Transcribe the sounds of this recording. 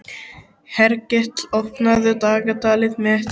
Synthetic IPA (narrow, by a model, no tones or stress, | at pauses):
hɛɾcɛht̪lɔpnaðʏt̪aːkat̪aːlɪðmɛɛht̪